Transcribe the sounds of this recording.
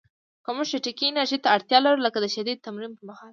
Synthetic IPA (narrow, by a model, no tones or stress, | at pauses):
kamʊʃeʈɪkinaʒit̪aːɽt̪jɑlaɾuləkad̪əʃad̪id̪̚t̪ːamɾimpəmahɑl